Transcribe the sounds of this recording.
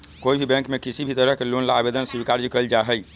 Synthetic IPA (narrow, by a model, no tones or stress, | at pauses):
koibʱibɛ̃ŋkmekisibʱit̪əɾəɦkelonlaabed̪ənsubikaɾd͡ʒikəld͡ʒaɦɛj